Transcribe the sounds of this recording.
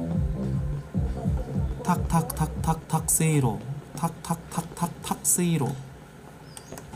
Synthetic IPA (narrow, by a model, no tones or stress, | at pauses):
t̪ʰak̚t̪ʰakt̪ʰak̚t̪ʰak̚t̪ʰak̚s͈ɯiɾot̪ʰak̚t̪ʰak̚t̪ʰak̚t̪ʰak̚t̪ʰak̚s͈ɯiɾo̰